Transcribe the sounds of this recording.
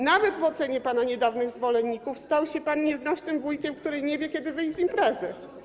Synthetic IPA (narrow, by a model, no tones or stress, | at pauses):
navɛd̪vɔt̪sɛɲɛpanaɲɛd̪avnɘɣzvɔlɛnʲːikufst̪awɕɛpanɲɛznaʂnɘmvujkʲɛmkt̪uɾɛjɲɛvʲjɛkʲɛd̪ɘvɘjʲzimpɾɛzɘ